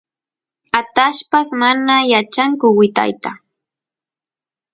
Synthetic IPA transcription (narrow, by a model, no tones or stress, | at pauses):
at̪aʃpasmanajat͡ʃaŋkʊwɪt̪a̰jt̪a